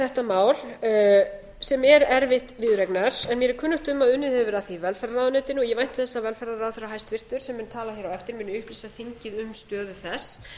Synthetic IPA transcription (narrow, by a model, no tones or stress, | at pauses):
θɛht̪amaːwl | sɛmɛɾɛɾvɪht̪vɪðɾɛknaɾ̥ɛnmjɛɾɛɾkʰʏnːʏht̪ʏmːaðʏnːɪðhɛvʏɾaθivɛlfɛɾðaɾaːðʏnɛːt̪ɪnʏɔɣjɛvajn̥t̪θɛsːavɛlfɛɾðaɾaːðθɛrːaɦajst̪fɪr̥t̪ʏɾ̥sɛmːɪnt̪ʰaːlaçɛɾawɛft̪ɪɾmɪnːɪʏhplisaθiɲcɪðʏmst̪œːðʏθɛs